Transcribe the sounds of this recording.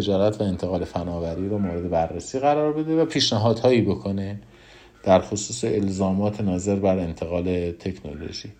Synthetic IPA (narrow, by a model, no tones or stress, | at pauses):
ed͡ʒɒːɾæt̪ʰvæe̞nt̪ʰe̞ɣɒːle̞fænɒːvæɾiːɾɔːmoːɾe̞d̪e̞bærːesiːɣæɾɒːɾbe̞d̪evæpʰiːʃnæɦɒːd̪̥hɒːjiːbo̞kʰone̞ | d̪̥æɾxosuːseʔelzɒːmɒːt̪ʰenɒːze̞ɾbæɾe̞nt̪ʰe̞ɣɒːle̞t̪ʰe̞cʰno̰lo̰ʒiː